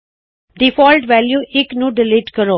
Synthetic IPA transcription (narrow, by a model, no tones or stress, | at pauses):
ɖifɔːlʈʋɛːljuːʔɪknũɖɪliːʈkəɾoː